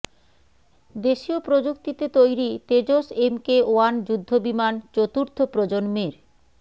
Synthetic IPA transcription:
d̪eʃiopɾod͡ʑokt̪it̪et̪ojɾit̪ed͡ʑosemkeoand͡ʑud̪ʱːobimant͡ɕot̪uɾt̪ʰopɾod͡ʑonmeɾ

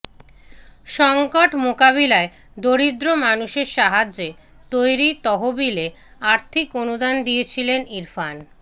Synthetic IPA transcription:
ʃɔŋkoʈmokaβilae | d̪oɾid̪ɾomanuʃeɾʃaɦad͡ʑe | t̪ojɾit̪ɔɦobileaɾt̪ʰikonud̪and̪ijet͡ɕʰileniɾfan

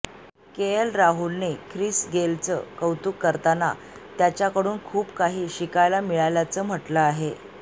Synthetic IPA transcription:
keəlɾaɦulnekʰɾisɡelt͡sə̰kəwt̪uːkːəɾt̪ana̰ | t̪jat͡ɕjakəɽuːnkʰuːpkaɦiːɕikajlamiɭajljat͡səːm̤əʈləaɦe

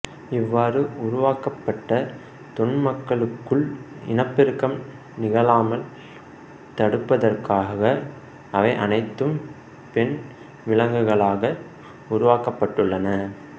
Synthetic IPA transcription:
ɪʋːaːɾɯʊɾʊʋaːkɐpːɐʈːɐ | t̪ɔɳmɐkːɐɭɯkːɯɭɪ̰nɐpːɪɾɯkːɐm | nɪɣɐɭaːmɐl | t̪ɐɽɯpːɐðɐrkaːɐɣɐ | ɐʋɐɪʔɐnɐɪt̪ːɯm | pɛɳ | ʋɪɭɐŋɡɯɣɐɭaːɣɐ | ʊɾʊʋaːkɐpːɐʈːɯɭːɐnɐ

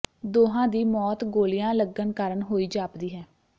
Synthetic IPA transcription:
d̪oːɦãːd̪iːmɔːt̪ɡoːlɪjãːləɡənkaːɾənɦoːiːd͡ʒaːpd̪iːɦɛː

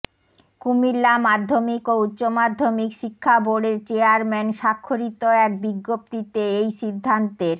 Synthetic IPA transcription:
kumilːamad̪ʱːomikoutːɕomad̪ʱːomikʃikʰːaboɖeɾt͡ɕeaɾmɛnʃakʰːoɾit̪oɛk̚biɡːop̚t̪it̪eejʃid̪ʱːant̪eɾ

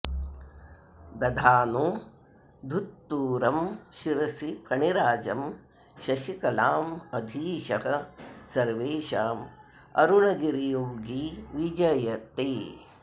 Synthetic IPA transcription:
d̪ɐd̪ʱaːnu | d̪ʱut̪ːuːɾɐmʃiɾɐsipʰɐɳiɾaːd͡ʒɐm | ʃɐʃikɐlaːmɐd̪ʱiːʃɐɦɐ̆sɐɾʋeːʃaːm | ɐ̰ɾuɳɐɡiɾijoːɡiʋid͡ʒɐjɐt̪eː

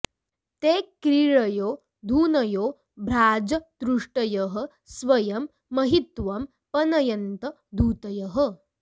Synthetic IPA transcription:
t̪eːkɾiɭɐjoː | d̪ʱuːnɐjoː | bʱɾaːd͡zɐd̪ɾuʂʈɐjɐɦə̆ | sʋɐjɐmː | ɐɦit̪ʋɐm | pɐnɐjɐnt̪ə | d̪ʱuːt̪ɐjɐɦə

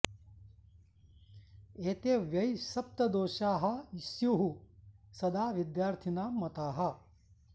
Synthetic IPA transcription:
eːt̪eːʋjɐjsɐp̚t̪ɐd̪oːʃaːɦɐ̆isjuːɦusɐd̪aːʋid̪jaːɾt̪ʰinaːmɐt̪aːɦɐ̆

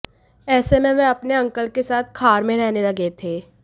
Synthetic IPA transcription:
ɛːsemẽʋɛ̃ɐpneɐ̃ŋkəlkesaːt̪̚ʰkʰaːɾmẽɾɛɦnelɐɡet̪ʰeː

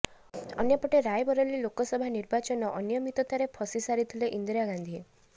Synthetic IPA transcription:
ɔ̰njɔpɔʈeɾajbɔɾɔlilokɔsɔbʱaniɾbat͡ʃɔnɔʔɔnjɔmit̪ɔt̪aɾepʰɔsisaɾit̪ʰileʔind̪ɾiaɡand̪ʱie

